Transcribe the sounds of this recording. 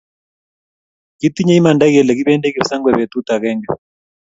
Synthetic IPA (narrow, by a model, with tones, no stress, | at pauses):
ki˦t̪i˦ɲɛ˦i˦ma˨nda˦k̬ɛ˨lɛ˨k̬i˦ɓɛ˦ndɛ˦ki˨sa˦ŋɡwɛ˨ɓɛ˨t̪u˦t̪a˨k̬ɛ˦ŋɡɛ˨